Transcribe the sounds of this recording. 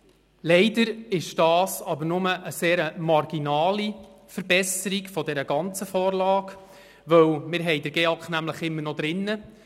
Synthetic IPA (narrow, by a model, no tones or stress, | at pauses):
lɛɪdəɾɪʃd̥ɑːsɑbəɾnʊməʔəseːɾəmɑrɡ̥inɑːli | fəɾbɛsəɾikfɔdɛɾəɡɑnt͡səfɔːɾlɑːk | ʋœwmɪɾɦɛjdəɾɡeɑkχnæmləχɪmːəɾnɔd̥̪ɾɪnːə